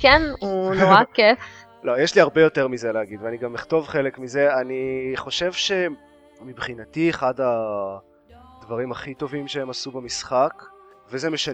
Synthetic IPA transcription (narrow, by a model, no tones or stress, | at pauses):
kenunoʁakef | lo̞jeʃliaʁbe̞jo̞teʁmizeleaɡidveaniɡamiχt̪o̞vχe̞lekmize̞aniχo̞ʃe̞vʃe̞ | mibχinatieχada | d̪vaʁimaχit̪o̞vimʃeemasubemisχak | vezemeʃan